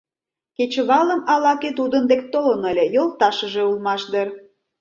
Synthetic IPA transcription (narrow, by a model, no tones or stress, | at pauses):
ket͡ɕə̆βɑləmɑlɑket̪ud̪ənd̪ek̚t̪olənə̆lʲejolt̪ɑʃəʒeulmɑʃd̪ər